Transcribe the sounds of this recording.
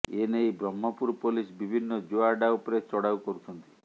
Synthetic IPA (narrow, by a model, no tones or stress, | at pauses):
enejbɾɔmːɔpuɾpolisbibʱinːɔd͡ʒoaɾɖaupɔɾet͡ʃɔɽawkɔɾut͡ʃ̪ʰɔnt̪i̥